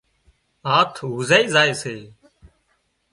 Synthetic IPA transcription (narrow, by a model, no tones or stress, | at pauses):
aːt̪ʰɦʊzaːiːzaːeːseː